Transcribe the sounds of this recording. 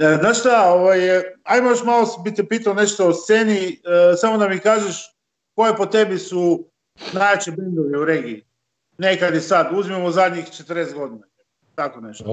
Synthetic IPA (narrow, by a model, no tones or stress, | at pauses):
znaːʃst̪aoʋajajmojoʃmalˠosbit̪epiːt̪aone̞ʃt̪oːst̪se̞ːnisamo̞d̪amikaːʒeʃ | ko̞je̞pot̪e̞bisu | najat͡ʃibend̪oʋiuɾe̞ɡiː | nekad̪jisad̪uzimemozad̪ɲixt͡ʃet̪əɾneːst̪ɡo̞d̪ina | t̪akone̞ʃt̪o